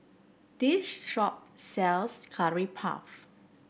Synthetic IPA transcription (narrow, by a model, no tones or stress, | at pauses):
d̥ɪʃʃɔp̚tsɛlskʰaɹipʰa̰f